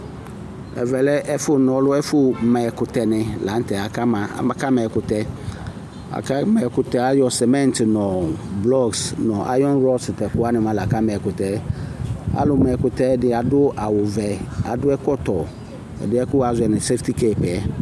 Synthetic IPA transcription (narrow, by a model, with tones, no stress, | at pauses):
ɛ̰˨vɛ˨lɛ˦ʔɛ˦fʊ˦nɔ̃˨˦lʊ˦ɛ˦fʊ˦mɛ˨kʊ˨tɛ˨nɪ̃˨la˨˦n̩˦tɛ˨a˨ka˦ma̰˨ma˨ka˦mɛ˨kʊ˨tɛ˦ | a̰˨ka˦mɛ˨kʊ˨tɛ˨a˦jɔ˨sɛ˨mɛ̃˦n˨tnɔ̃˨blɔ˦ɡsnɔ̃˨ʔa̰˦jɔ̃˦nɾɔ˦sɪ˨tɛ˨kʊ˦a˦nɪ̃˨mã˦la˨ka˦mɛ˨kʊ˨tɛ˨˦ | a̰˨lʊ˨mɛ˨kʊ˨tɛ˦dɪ˨˦a˨dʊ˦ʔa˨wʊ˨vɛ˨a̰˨dʊ˦ɛ˦kɔ˦tɔ˨ | ɛ̰˨dɪ˦ɛ˦kʊ˦a˨zʊ˨ɛ˨nɪ̃˨sɛ˦fti˦ke˦˨pɛ˨ɛ˦